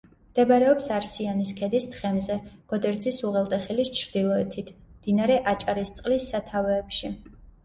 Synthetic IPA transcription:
md̪̥ɛbaɾɛɔpsaɾsianiskʰɛd̪ist̪χɛmzɛɡ̥ɔd̪ɛɾd̪zisuʁɛlˠt̪ʼɛχilist͡ʃʰɾd̪ilˠɔɛt̪ʰit̪ʰmd̪̥inaɾɛʔat͡ʃʼaɾist̪sʼqʼlisːat̪ʰavɛːpʃi

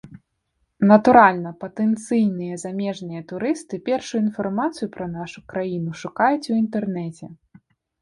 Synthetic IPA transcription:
nɐt̪uɾalʲnɐpɐt̪ɛnt̪sɨjnɨjɐzamʲɛʐnɨjɐt̪uɾɨst̪ɨpʲɛrʂuuinfarmat̪sɨjupɾɐnaʂukɾajinuʂukajut͡sʲuint̪ɛrnɛt͡sʲɛ

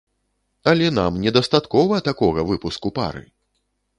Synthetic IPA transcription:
ɐlʲɛn̪amnʲɛd̪ɐst̪at̪kɔvɐt̪akɔɣɐvɨpuskupa̰ɾɨ̰

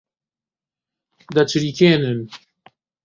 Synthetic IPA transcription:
d̪at͡ʃʰɨɾikʰeːnɨn

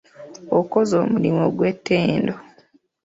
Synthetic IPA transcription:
okozoːmulimoɡwetːeːndo

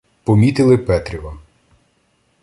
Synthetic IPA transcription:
pɔmʲit̪ɪlˠɪpɛt̪ɾʲiʋɐ

